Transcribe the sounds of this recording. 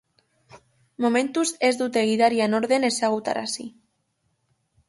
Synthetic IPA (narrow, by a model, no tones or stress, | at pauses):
momẽnt̪uzezðut̪eɣiðaɾjanoɾðenesaɣut̪a̰ɾa̰si